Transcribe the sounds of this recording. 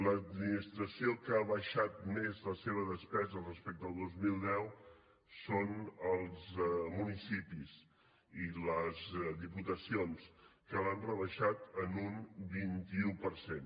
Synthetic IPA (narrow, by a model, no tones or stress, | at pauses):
ləd̪minist̪ɾəsiokaβəʃat̪̚mezləseβ̞əðəspɛzərəspɛk̚t̪əlˠd̪ozmilˠd̪ɛw | sonəlˠzmunisipis | iləzðiput̪əsionskəlanrəβəʃat̪ənunbint̪iupəɾsen